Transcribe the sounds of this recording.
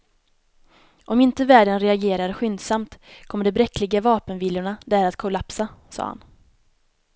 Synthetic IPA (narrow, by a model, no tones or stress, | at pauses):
ʔɔmɪnt̪əvæːɖənɾɛaɡeːɾaɾɧʏnd̪samt̪kʰɔmːəɖɛbɾɛkːlɪɡavɑːpənviːljʊɳad̪æɾat̪kʰʊlapsasɑ̰ːha̰n